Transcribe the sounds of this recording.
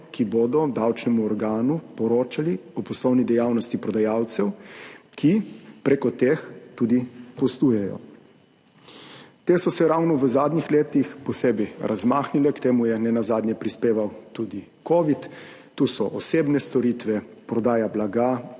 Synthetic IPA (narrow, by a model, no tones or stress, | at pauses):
kiboːd̪ɔd̪awt͡ʃnɛmuɔɾɡaːnupɔɾoːt͡ʃaliɔpɔslɔwnid̪ɛjawnɔst̪ipɾɔd̪ajawt̪sɛwkʰipɾɛkɔt̪eːxt̪uːd̪ipɔst̪uːjɛjɔ̰ | t̪eːsɔsɛɾawnɔʋəzaːd̪nixleːt̪ixpɔseːbɛjɾʔazmaːxnilɛkt̪eːmujɛnɛnazaːd̪ɲjɛpɾispeːʋawt̪uːd̪i | koːʋit̪ː | uːsɔʔɔseːbnɛst̪ɔɾit̪ʋɛpɾɔd̪aːjablaɡa